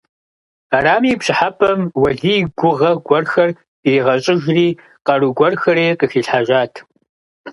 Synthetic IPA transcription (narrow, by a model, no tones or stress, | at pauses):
aːraːmiːpɕɪħapʰʼɐmwɐɮiːɡʷʊʁɐɡʷɔrxɐr | iːʁɐɕʼɪʒriː | qɐruɡʷɔrxɐriːqəxiːɬħaʒaːtʰ